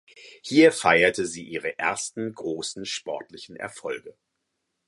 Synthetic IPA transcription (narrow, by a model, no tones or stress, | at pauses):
hiːɐfaɪɐtʰəziːʔiːʁ̞əʔḛɐstn̩ɡʁoːsn̩ʃpɔɐtlɪçn̩ʔɛ̰ɐfɔlɡə